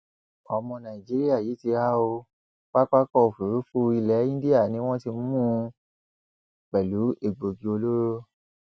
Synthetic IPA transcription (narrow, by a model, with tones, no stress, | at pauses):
ɔ˨mɔ̃˧nã˨i˨d͡ʒi˨˦ɾi˦a˦˨jiː˨˦ti˧a˦o˧ | k͡pa˦k͡pa˦kɔ˦o˨fu˨ɾu˨˦fu˦i˧lɛ˨˦ĩ˦di˦a˦˨nĩ˨˦w̃ɔ̃˦ti˧m̩˦mũ˦ | k͡pɛ˨lu˨˦e˦˨ɡ͡bo˨ɡi˧o˧lo˦ɾo˦